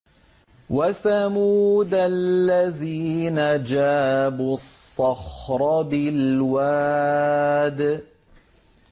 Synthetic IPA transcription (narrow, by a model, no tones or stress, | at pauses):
waθamuːd̪alːaðiːnad͡ʒaːbusˤːɑxɾˤɑbɪlwaː | d̪